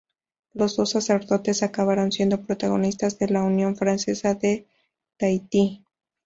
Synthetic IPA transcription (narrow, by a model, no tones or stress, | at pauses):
lo̞zðo̞sːase̞ɾðo̞t̪e̞sakaβaɾonsje̞nd̪o̞pɾo̞t̪aɣo̞̰nist̪azðe̞launjo̞ɱfɾanse̞saðe̞ | t̪ajt̪i